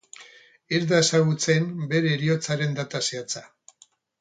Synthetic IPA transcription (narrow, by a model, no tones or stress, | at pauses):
eɾðaesaɣ̞ut͡se̞mbe̞ɾe̞ːɾio̞t͡saɾe̞nd̪at̪aseat͡sa